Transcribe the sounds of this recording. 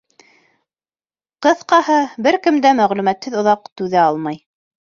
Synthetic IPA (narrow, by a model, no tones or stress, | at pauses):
qɤ̆θqɑhɤbɘɾkɘ̆md̪æmæʁlʉmæt̪hɘðŏðɑq̚t̪ʉðæɑlˠmɑj